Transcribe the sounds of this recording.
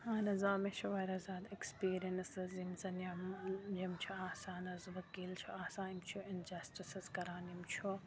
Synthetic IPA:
hãːnɐzaːmet͡ʃʰuʋɐːjɾɐzaːd̪ekspiːɾiɐnsɐzimzɐnjɐmjɐmt͡ʃʰuaːsaːnɐzʋɐkiːlt͡ʃʰuaːsaːnimt͡ʃʰuɪnd͡ʒɐsʈisɐzkɐɾaːnimt͡ʃʰo

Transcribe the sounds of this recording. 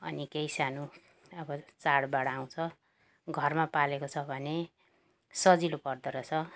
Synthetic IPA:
ʌ̰nikejsanu | ʌbʌt͡saɽbaɽʌaw̃t͡sʰʌ | ɡʱʌrmapalekot͡sʰʌbʱʌne | sʌd͡zilopʌrd̪ʌɾʌt͡sʰʌ

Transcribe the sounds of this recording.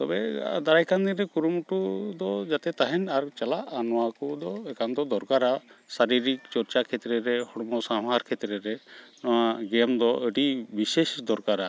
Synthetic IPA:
t̪ɔbɛa̰d̪aɾajkʰand̪inɾɛkuɾumuʈud̪ɔd͡ʒat̪ɛt̪aɦɛnaɾt͡ʃalaʔanɔwakɔd̪ɔɛkand̪ɔd̪ɔɾkaɾasaɾiɾikt͡ʃɔɾt͡ʃakʰɛt̪ɾɛɾɛhɔɽmɔsãɦaɾkʰɛt̪ɾɛɾɛnɔwaɡɛmd̪ɔʔəɖibisesd̪ɔɾkaɾa

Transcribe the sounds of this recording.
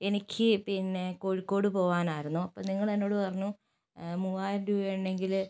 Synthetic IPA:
e̞nikʲʰːɨpinːe̞koːɻikːo̞ːɽɨpo̞ːʋaːnaːjiɾunːuɐpːoːniŋːɐɭenːo̞ːɽɨpɐrɐɲːu | muaːjnɖueɳɖe̞ŋɡil

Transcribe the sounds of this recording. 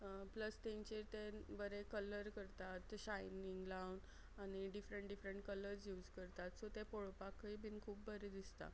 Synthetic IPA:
pləst̪eɲt͡ɕeɾt̪ebəɾekələɾkəɾt̪at̪ɕajniŋɡlawn | añiɖifɾeɳʈɖifɾəɳʈ̚kələɾsjuːd͡zkəɾt̪at̪sot̪epoɭopakibʱinkʰuːpbəɾed̪ist̪a̰

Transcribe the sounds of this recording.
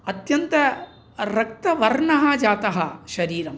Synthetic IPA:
ɐt̪jɐnt̪ɐ | ɾɐk̚t̪ɐʋɐɾɳɐɦɐd͡ʒaːt̪ɐɦɐʃɐɾiːɾɐm

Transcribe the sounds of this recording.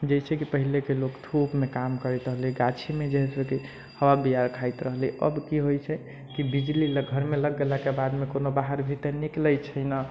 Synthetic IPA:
d͡ʒəjt͡ʃʰɛkipəɦilekelokt̪ʰupmekamkəɾɛt̪ɾəɦliɡat͡ʃʰimed͡ʒeɦɛsəke | həwabiaɾkʰait̪ɾəɦliʔə̰bkiɦojt͡ʃʰɛ | kibid͡ʒliləɡʱəɾmeləɡːelakebad̪mekonobaɦəɾbʱit̪ənikləjt͡ʃʰəjna

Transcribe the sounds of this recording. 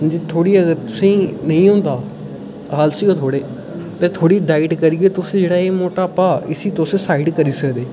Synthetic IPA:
d͡ʒiːt̪ʰoːɽiːəɡəɾt̪ʊsẽːnəĩːõːnd̪aː | ɦaːlsiːɡaːt̪ʰoːɽeː | t̪ẽːt̪ʰoːɽiːɖaːɪʈkəɾiɡeːt̪ʊsẽːd͡ʒeːɽaːeːmoːʈaːpaːɪsiːt̪osẽːsaːɪʈkəɾiːsəkd̪eː

